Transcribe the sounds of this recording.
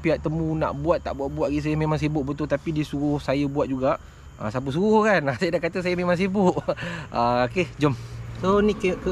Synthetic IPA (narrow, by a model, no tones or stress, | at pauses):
piaʔt̪əmũna̰ʔbuat̪ːaʔbuaʔ̪̚buat̪ʔ̚ɡis̬ajəmẽmaŋs̬ibʊʔbət̪ʊlt̪apidisuɾʊhsajəbuat̪̚d͡ʒuɡaʔ | a̰sap̬əs̬uɾʊhkanasajədaʔkat̪əsajəmẽmaŋs̬ibʊʔaoked͡ʒomsonĩkəkə